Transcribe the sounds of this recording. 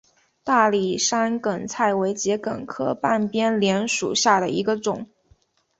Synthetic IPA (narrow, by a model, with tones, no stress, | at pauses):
t̪a˥˩li˨˩ʂa˥nkə˨˩nt͡sʰa˥˩ɪwe˧˥ɪt͡ɕjɛ˧˥kə̰˨˩nkʰɤ˥˧pa˥˩npjɛ˥nljɛ˧˥nʂṵ˨˩ɕja˥˩d̪ə˩i˧˥ɡə˧ʈ͡ʂʊ˨˩˦ŋ